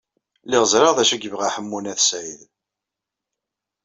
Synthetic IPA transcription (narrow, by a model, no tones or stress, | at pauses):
lɪʁəzɾˤɑʁðæʃæɡəvʁaħəmːunæθsið